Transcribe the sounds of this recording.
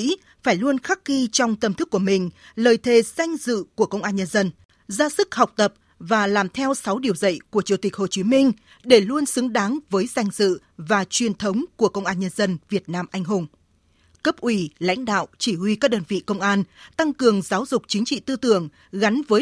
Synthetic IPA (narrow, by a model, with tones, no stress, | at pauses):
ḭ˧˥ | faː˧˩jlu˧ənxa˦˥k̚ɣi˧t͡ɕɔ˧wŋ͡mt̪ə˨˩mt̪ʰɨ˦˥k̚ːu˧˩əmï˨˩ŋ̟ləː˨˩jt̪ʰe˨˩˦za˧jŋ̟zɨ̰˧˨ku˧˩əkə˧wŋ͡mʔaː˧nɲə˧nzə˧n | zaː˧sɨ˦˥k̚ha˨˩wk͡p̚t̪ə˨˩p̚ | vaː˨˩laː˨˩mt̪ʰɛ˧wsa˨˦wɗi˨˩əwzə̰˧˨jku˧˩ət͡ɕi˨˩ət̪i˨˩k̚ho˨˩t͡ɕi˨˦mï˧ŋ̟ | ɗe˧˩lu˧ənsɨ˨˦əŋɗaː˨˦ŋvəː˨˦jza˧jŋ̟zɨ̰˧˨vaː˨˩t͡ɕwi˨˩ənt̪ʰə˨˦wŋ͡mku˧˩əkə˧wŋ͡mʔaː˧nɲə˧nzə˧nvi˨˩ət̚naː˧mʔa˧jŋ̟ɦʊ˨˩ŋ͡m | kə˦˥p̚ʔwi˧˩la̰˧˥jŋ̟ɗa̰ː˧˨wt͡ɕi˧˩hwi˧kaː˦˥k̚ɗəː˧nvḭ˧˨kə˧wŋ͡mʔaː˧nt̪a˧ŋkɨ˨˩əŋzaː˨˦wzʊ˨˩k͡p̚t͡ɕï˨˦ŋ̟t͡ɕḭ˧˨t̪ɨ˧t̪ɨ˧˩əŋ | ɣa˨˦nvəː˨˦